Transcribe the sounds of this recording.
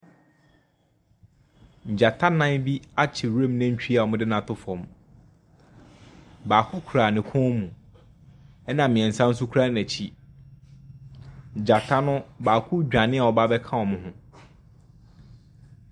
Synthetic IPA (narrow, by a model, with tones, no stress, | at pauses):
ɲ̩˨d͡ʑa˨tʰa˦nã˦nbi˦a˦t͡ɕʰɪ˨ɾẽ˦˨mnã˦ɲ̩˦t͡ɕᶣi˦a˨ɔ˨mʊ̃˦dɪ˦nã˨tʰʊ˦fɔ̃˨m | baː˨kʰʊ˦kʰu˨ɾa˨nɪ̃˨kʰʊ̃˦mũ˨ | ɛ˦nã˨mɪ̃˨ɛ˨n̩˨sã˦n̩˦s̬ʊ˦kʰu˦ɾa˦næ̃˨t͡ɕʰi˦˨ | d͡ʑa˨tʰa˦nʊ̃˦baː˨kʰʊ˦d͡ʑᶣa˨nɪ̃˦a˨ɔ˨ba˦bɛ˦kʰã˦wɔ˨mʊ̃˦hʊ̃˦